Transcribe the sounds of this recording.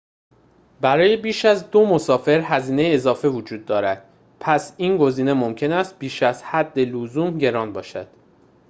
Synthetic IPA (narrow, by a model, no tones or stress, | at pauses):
bæɾɒːje̞biːʃæzd̪o̞mo̞sɒːfe̞ɾhæziːne̞jeːzɒːfevod͡ʒuːd̪ːɒːɾæd̪̥̚ | pʰæsiːnɡo̞ziːne̞momcʰe̞næst̪̚b̥iːʃæz̥hæd̪ːe̞lozuːmɟe̞ɾɒːnbɒːʃæ̰d̪̥